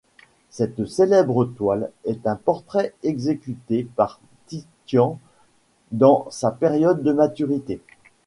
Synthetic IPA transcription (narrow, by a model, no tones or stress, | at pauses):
sɛt̪selɛbʁət̪walɛt̪ɛ̃pɔʁt̪χɛɛɡzekʲyt̪epaʁ | t̪it̪jɑ̃ | d̪ɑ̃sapeʁjɔd̪ːəmat̪yʁit̪e